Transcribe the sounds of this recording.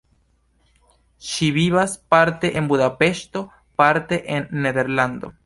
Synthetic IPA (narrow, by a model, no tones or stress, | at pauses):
ʃiβiβaspaɾt̪eʔembuðapeʃt̪o̞ | paɾt̪eʔenːeðeɾland̪o̰